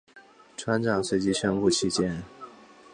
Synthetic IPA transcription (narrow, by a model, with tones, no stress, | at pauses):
ʈ͡ʂʰwa˥nʈ͡ʂɑ˨˩ŋʂwe˥˩ɪt͡ɕi˥ɕɥɛ˥nku˥˩t͡ɕʰi˥t͡ɕjɛ˥n